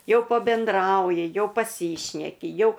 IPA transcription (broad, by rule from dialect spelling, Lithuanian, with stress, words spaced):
ˈjɛʊ pɐbʲɛnˈdrɐʊjɪ ˈjɛʊ pɐˈsʲiːʃʲnʲɛkʲɪ ˈjɛʊ